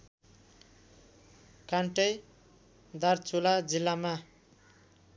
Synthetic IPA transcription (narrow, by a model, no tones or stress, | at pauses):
kaɳʈʌj | d̪art͡sʰulad͡zilːama